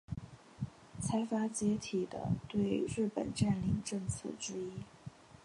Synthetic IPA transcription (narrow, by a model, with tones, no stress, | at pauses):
t͡sʰa˧˥ɪfa˥t͡ɕjɛ˧˥t̪ʰi˨˩d̪ə̰˦t̪we˥˧ɪɻɻ̩˥˩pə̰˨˩nʈ͡ʂa˥˩nli˨˧˩ŋʈ͡ʂɤ˥˧ŋt͡sʰɤ̰˥˩ʈ͡ʂɻ̩˥i˥